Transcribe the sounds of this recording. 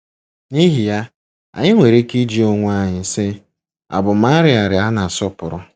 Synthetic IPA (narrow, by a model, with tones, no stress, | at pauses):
ni˦ɦi˨ja˦ | a̰˨ɲɪ˦ŋʷe˨ɾe˦ki˦d͡ʒi˦o˦ŋʷʊ˦a˦ɲɪ˨sɪ˦ | a̰˨bʊ˨m̩a˦ɾɪ˦a˨ɾɪ˨a˦na˨sɔ˦pʊ˨ɾʊ˦